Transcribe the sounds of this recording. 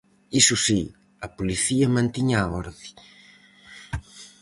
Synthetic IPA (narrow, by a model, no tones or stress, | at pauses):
isʊsi | ɐpoliθiɐmãnt̪iɲaɔɾði